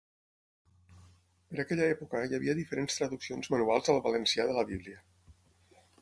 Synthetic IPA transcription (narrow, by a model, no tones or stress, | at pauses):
pəɾakɛʎaɛpukəjəβiəðifəɾenst̪ɾəðuksionzmənualˠzəlˠβələnsiaðələβiβliə